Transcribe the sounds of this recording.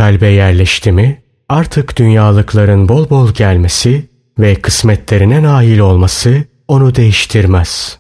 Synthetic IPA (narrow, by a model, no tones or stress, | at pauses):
alʲbɛjæɾlʲɛʃt̪ʰimi | aɾt̪ʰɯkd̪̥ynjaːlˠɯklˠaɾɯnbo̞lˠbo̞lˠɟælʲme̞si | vɛkʰɯsmɛt̪lʲe̞ɾinɛnaːɦilʲo̞lˠmasɯ | o̞nud̪e̞jiʃt̪ʰiɾmæz̥